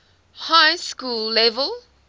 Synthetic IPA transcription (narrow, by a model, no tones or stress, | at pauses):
hajskulːɛvəlˠ